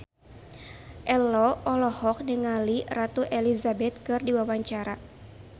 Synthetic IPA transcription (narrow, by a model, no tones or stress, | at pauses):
ʔɛlɔɔlɔhɔk̚nəŋalirat̪uʔelizabɛt̪̚kɨrdiwawaɲt͡ʃaɾa